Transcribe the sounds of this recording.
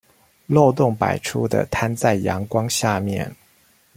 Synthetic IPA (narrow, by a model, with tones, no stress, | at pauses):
lo˥˧ʊt̪ʊ˥˩ŋpa̰˨˩ɪʈ͡ʂʰu˥d̪ə̰˨t̪ʰa˥˦nt͡sa˥˩ɪjɑ̰˧˥ŋkwɑ˥ŋɕja˥˧mjɛ̰˥˨n